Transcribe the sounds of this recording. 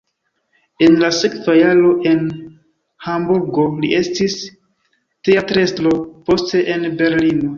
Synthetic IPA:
e̞nlasekvajalo̞ʔe̞n | hambuɾɡo̞liʔe̞stis | teatɾe̞stlo̞po̞ste̞ʔenbe̞ɾlino̞

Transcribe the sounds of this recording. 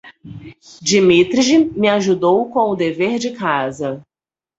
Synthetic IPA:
d͡ʒimit̪ɾid͡ʒimɪaʒud̪owkõw̃ʊd̪eveɾd͡ʒɪkazɐ

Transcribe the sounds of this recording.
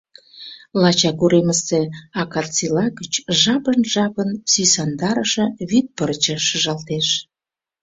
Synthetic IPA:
lɑt͡ɕɑkuɾeməseɑkɑt̪t͡silɑɣət͡ɕʒɑpənʒɑpənsisɑnd̪ɑɾəʃɤ̆βyt̪̚pərt͡ɕə̆ʃəʒɑlt̪eʃ

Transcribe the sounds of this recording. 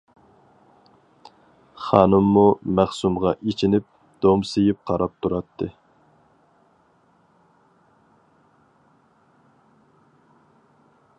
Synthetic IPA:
χɑːnɨmːumæχsumʁɑʔet͡ʃʰinɪp̚ | d̪̥omsejip̚qʰɑɾɑp̚t̪ʰuɾɑt̪ʰːɨ

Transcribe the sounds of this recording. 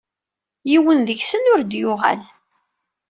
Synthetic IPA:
jiwənðəçsənʊɾd̪jʊʁa̰l

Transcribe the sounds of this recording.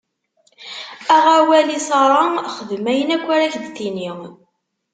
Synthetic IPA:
æʁæwælisˤɑɾˤɑχəðmæjənækʷːæɾæçd̪θini

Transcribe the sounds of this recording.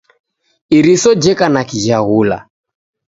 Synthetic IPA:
iɾisɔd͡ʒɛkanakiʒaɣula̰

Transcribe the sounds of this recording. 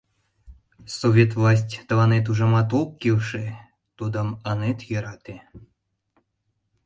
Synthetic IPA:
sovʲet̪vlˠɑs̬ʲtʲd̪̥əvɑnet̪̬uʒemɑt̪op̚kʲiwʃe | t̪ud̪əmɑnet̪jɤɾɑt̪e

